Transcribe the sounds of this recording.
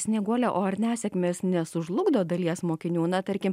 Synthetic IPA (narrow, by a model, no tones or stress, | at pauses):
sʲnʲiɛɡuɔlʲɛʔoːɐɾʲnʲæːsʲɛkmʲeːsnʲɛsʊʒlˠʊɡd̪oːd̪ɐlʲiɛsmoːkʲɪnʲuːnɐt̪ɐɾʲkʲɪm